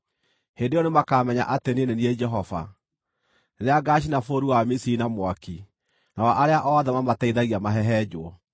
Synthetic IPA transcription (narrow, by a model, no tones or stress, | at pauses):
hendeɔnemakaːmɛɲa̰ʔatenenenied͡ʒɛɦɔva̰ | ðeaɡaʃ̬inafoɾuwamisiinamwaki | nawaʔaɾeaʔɔðɛmamataiðaɣiamaɦɛɦɛd͡ʒwɔ